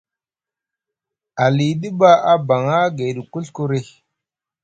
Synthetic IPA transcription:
a˨li˨ɗi˦ba˦a˦ba˨ŋa˦ɡe˨ɗu˨ku˦lku˦ɾi˦

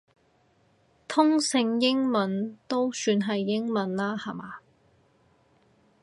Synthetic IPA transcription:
t̪ʰʊ˥ŋsɪ˧ŋjɪ˥ŋmɐ˨nt̪o˥wsyː˧nɦɐ˨jːɪ˥ŋmɐ˨nlaː˥hɐ˨˩ma̰ː˨˧˦

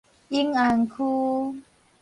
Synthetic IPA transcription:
ʔi˦ŋa˨˩nkʰu˦

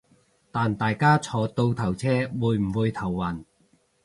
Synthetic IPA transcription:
t̪aː˨nt̪aː˨jkaː˥t͡sʰɔː˨˧t̪o˧wt̪ʰɐ˨˩wt͡sʰɛː˥wuː˨˧jm̩˨˩wuː˨˧jt̪ʰɐ˨˩wːaː˨˩n

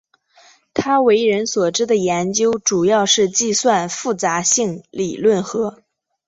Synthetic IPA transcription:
t̪ʰa˥we˧˥ɪɻə˧˥nswɔ˨˩ʈ͡ʂɻ̩˥d̪ə˨jɛ˧˥nt͡ɕjo˥ʊʈ͡ʂu˨˩jɑ˥˧ʊʂɻ̩˥˧t͡ɕi˥˧swa˥˧nfu˥˩t͡sa˧˥ɕi˥˩ŋli˨˩lwə˥˩nxɤ˧˥

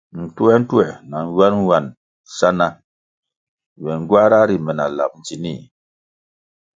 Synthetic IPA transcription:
n̩˨tu˦ɛ˦n̩˦tu˦ɛ˨na˨n˦wa˦n˦wa˦˨n | sa˦na˦ | wɛ˨ŋ˦ɡwa˦ɾa˦ɾi˨mɛ˨na˨la̰˨p̚n̩˦t͡ʃi˨ni˦˨

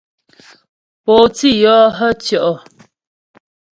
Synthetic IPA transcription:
po˨t͡si˦˨jɔ˦ɦə˦t͡ʃjɔ˨ʔɔ˨

